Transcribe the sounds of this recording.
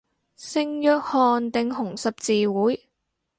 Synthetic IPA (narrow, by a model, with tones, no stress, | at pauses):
sɪ˧˥ŋjœː˧k̚hɔː˨nt̪ɪ˨ŋɦʊ˨˩ŋsɐ˨p̚t͡siː˧wuː˨˥j